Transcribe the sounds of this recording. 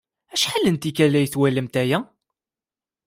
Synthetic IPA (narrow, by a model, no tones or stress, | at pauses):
æʃħalːənt̪ikælːæjθwæləmt̪æjæ